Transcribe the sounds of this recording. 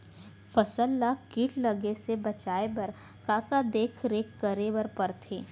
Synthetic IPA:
fɐsəlːakiːʈlɐɡesebɐt͡ʃaːebɐɾ | kaːkad̪eːkʰɾeːkːəɾebɐɾpɐɾt̪ʰeː

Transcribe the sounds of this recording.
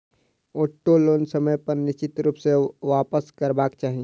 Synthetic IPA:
oːʈːoloːnsəməjpəɾnɪst͡ʃɪt̪ɾuːpseʋaːpəskəɾbaːkt͡ʃaːɦi

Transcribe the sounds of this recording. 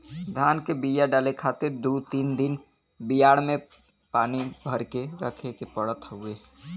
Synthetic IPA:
d̪ʱaːnkebijaɖaːlekʰaːt̪ɪɾd̪ut̪iːnd̪ɪn | bijaːɽmẽ | paːnibʱəɾkeɾə̰kʰekepəɽət̪ɦʊe

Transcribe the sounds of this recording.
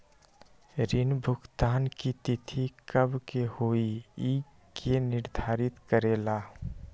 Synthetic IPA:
ɾɪnbʱʊkt̪aːnkit̪ɪt̪ʰikəbkehoːii | kʰenɪɾd̪ʱaːɾɪt̪kəɾeːla

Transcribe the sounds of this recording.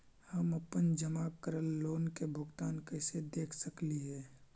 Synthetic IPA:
həməpənd͡ʒəmakəɾəlːoːnkebʱʊɡt̪aːnkəɪsed̪eːkʰsəkliɦɛː

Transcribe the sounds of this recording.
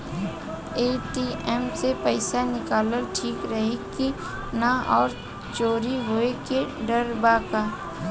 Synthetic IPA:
eːʈiʔɛmsepəɪsanɪkaːləlʈʰiːkɾəɦeki | naɔːɾ | t͡ʃoːɾiɦoekeɖəɾbaːkaː

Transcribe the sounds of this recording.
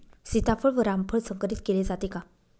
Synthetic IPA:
sit̪apʰəɭʋəɾampʰəɭsəŋkəɾit̪keled͡zat̪eka

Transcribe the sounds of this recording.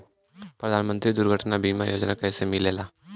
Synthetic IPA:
pɾəd̪ʱaːnmə̃nt̪ɾid̪ʊɾɡʱəʈnabiːmajoːd͡ʒnakɛsemɪleːlaː

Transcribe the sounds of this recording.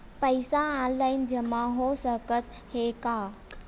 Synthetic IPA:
pəjsaãnlaɪnd͡ʒəmãɦosəkət̪ | hekaː

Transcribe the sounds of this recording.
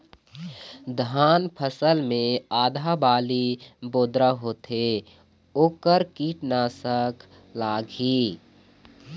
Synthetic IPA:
d̪ʱaːnpʰəsəlmẽaːd̪ʱabaːliboːd̪ɾaɦoːt̪e | oːkəɾkiːʈnaːsəkʰ | laːɡiː

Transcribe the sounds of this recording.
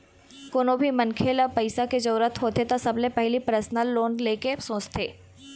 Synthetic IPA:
koːnobʱimɐnkʰeːləpɐɪsaked͡ʒəɾuːɾət̪ɦoːt̪et̪osɐblepɛɦlipɾəsnəlːoːnleːkesõːt͡ʃt̪ʰeː

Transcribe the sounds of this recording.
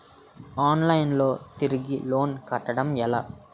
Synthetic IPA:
aːnlɐjnlo̞ːt̪iɾiɡilo̞ːnkɐʈːɐɽɐmɛla̰

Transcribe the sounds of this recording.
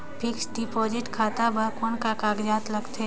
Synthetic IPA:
pʰɪksɖipɔːd͡ʒɪʈkʰaːt̪abɐɦkonkakaːɡd͡ʒaːt̪lɐɡt̪e

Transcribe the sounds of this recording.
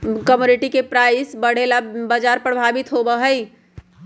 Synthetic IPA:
kəmjuniʈikepɾaɪsbəɽ̤elabad͡ʒaɾpɾəbʱabit̪ɦobəɦəj

